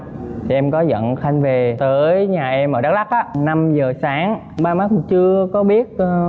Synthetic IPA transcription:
t̪ʰi˨˩ʔɛ˧mkɔ˨˦zə̰˧˨nxa˧jŋ̟ve˨˩t̪əː˨˦jɲaː˨˩ʔɛ˧mːʔə̰ː˧˨˩ɗa˦˥k̚ɗa˦˥k̚ʔaː˨˦na˧mzəː˨˩saː˨˦ŋ | ɓaː˧maː˦˥k̚t͡ɕɨ˧əkɔ˨˦ɓi˦˥ət̚ː

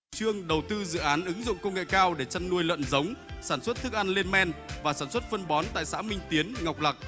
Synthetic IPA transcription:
t͡ɕɨ˧əŋɗə˨˩wt̪ɨ˧zɨ̰˧˨ʔaː˨˦nʔɨ˨˦ŋzʊ̰˧˨ŋ͡mkə˧wŋ͡mŋḛ˧˨kaː˧wɗe˧˩t͡ɕa˧nːu˧əjlwə̰˧˨nzə˨˦wŋ͡msaː˧˩nswə˦˥t̚t̪ʰɨ˦˥k̚ʔa˧nle˧nmɛ˧nvaː˨˩saː˧˩nswə˦˥t̚fə˧nɓɔ˨˦nt̪a̰ː˧˨jsa̰ː˧˥mï˧ŋ̟t̪i˨˦ənŋa˨˩wk͡p̚la˨˩k̚

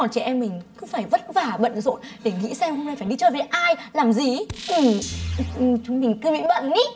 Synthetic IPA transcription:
ɔ˨˩nt͡ɕɛ˧˩ʔɛ˧mːï˨˩ŋ̟kɨ˨˦faː˧˩jvə˦˥t̚vaː˨˩ɓə̰˧˨nzo̰˧˨nɗe˧˩ŋḭ˧˥sɛ˧mhɦo˧ŋ͡mna˧jfaː˧˩jɗi˧t͡ɕəː˨˩ve˨˩ʔaː˧jlaː˨˩mzi˨˩ʔɨ˨˩m˨ʔt͡ɕʊ˨˦ŋ͡mmï˨˩ŋ̟kɨ˨˧˦mḭ˧˥˦ɓə̰˧˨nːi˨˦

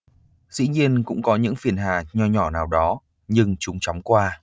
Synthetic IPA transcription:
zḭ˧˥ɲi˧ənkʊ̰˧˥ŋ͡mkɔ˨˦ɲɨ̰˧˥ŋfi˨˩ənɦa̰ː˨˩ɲɔ˧ɲɔ˧˩naː˨˩wɗɔ˨˦ | ɲɨ˧ŋt͡ɕʊ˨˦ŋ͡mt͡ɕɔ˨˦wŋ͡mkwaː˧

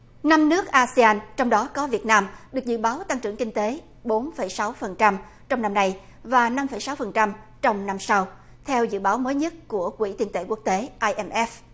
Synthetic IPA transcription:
na˧mnɨ˦˥ək̚ʔaː˧si˧aː˧nt͡ɕɔ˧wŋ͡mɗɔ˨˦kɔ˨˦vi˨˩ət̚naː˧mɗɨ˨˩ək̚zɨ̰˧˨ɓaː˨˦wt̪a˧ŋt͡ɕɨ˧˩əŋkï˧ŋ̟t̪e˨˦ | ɓo˨˦nfə˧˩jsa˨˦wfə˨˩nt͡ɕa˧m | t͡ɕɔ˧wŋ͡mna˧mna˧j | vaː˨˩na˧mfə˧˩jsa˨˦wfə˨˩nt͡ɕa˧mt͡ɕɔ˧wŋ͡mna˧msa˧w | t̪ʰɛ˧wzɨ̰˧˨ɓaː˨˦wməː˨˦jɲə˦˥t̚ku˧˩əkwḭ˧˩t̪i˧˩ənt̪ḛ˧˩ku˦˥ək̚t̪e˨˦ʔaː˧jʔɛ˧mʔɛ˦˥f

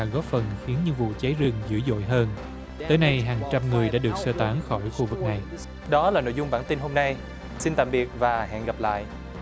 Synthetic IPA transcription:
ɣɔ˨˦˥p̚fə˨˩nxi˨˦ənɲɨ˧ŋvṵ˧˨t͡ɕa˨˦jzɨ˨˩ŋzɨ̰˧˥zo̰˧˨jɦəː˧n | t̪əː˨˦jna˧jɦaː˨˩ŋt͡ɕa˧mŋɨ˨˩əjɗa̰ː˧˥ɗɨ˨˩ək̚səː˧t̪aː˨˦ŋxɔ˧˩jxu˧vɨ˨˩k̚na˨˩j | ɗɔ˨˦laː˨˩no̰˧˨jzʊ˧ŋ͡mɓaː˧˩nt̪i˧nɦo˧mna˧j | si˧nt̪a̰ː˧˨mɓi˨˩ət̚vaː˨˩ɦa̰˧˨nɣa˨˩p̚la̰ː˧˨jʔ

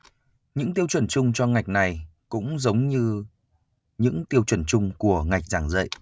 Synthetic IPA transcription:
ɲɨ̰˧˥ŋt̪i˧əwt͡ɕwə˧˩nt͡ɕʊ˧ŋ͡mt͡ɕɔ˧ŋa˨˩jk̟̚na˨˩jkʊ̰˧˥ŋ͡mzə˨˦wŋ͡mɲɨ˧ | ɲɨ̰˧˥ŋt̪i˧əwt͡ɕwə˧˩nt͡ɕʊ˧ŋ͡mku˧˩əŋa˨˩jk̚zaː˧˩ŋzə̰˧˨jʔ

